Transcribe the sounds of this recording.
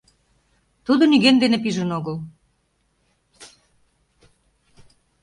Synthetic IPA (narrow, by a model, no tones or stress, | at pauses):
t̪ud̪onyɣend̪enep̬iʒə̆noɣəl